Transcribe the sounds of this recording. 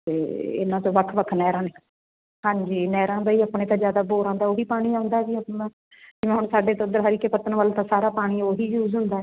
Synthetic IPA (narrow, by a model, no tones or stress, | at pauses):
t̪eːɪ̰nãːt̪õːʋəkʰːʋəkʰnɛːɾãːne | hãːɲd͡ʒiːnɛːɾãːbaːiːaːpɳẽːt̪ãːd͡ʒjaːd̪aːboːɾãːnd̪aːoːɦiːpaːɽ̃iːãːʊ̃nd̪aːd͡ʒiːəpnaː | d͡ʒɪʋẽːɦʊɳsaːɖeːt̪ːʊd̪əɾɦəɾiːkeːpət̪ənʋəlt̪ãːsaːɾaːpaːɽ̃iːoːɦiːjuːzɦʊnd̪aːɛː